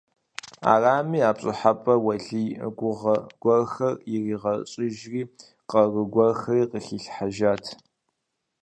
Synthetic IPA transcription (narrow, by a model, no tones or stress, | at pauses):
a̰ːraːmiːaːpɕʼɪħapʼɐwɐɮiːɡʷʊʁɐɡʷɔrxɐrjɪriːʁɐɕʼɪʒriː | qɐrəɡʷɔrxɐriːqəxiːɬħaʒaːtʰ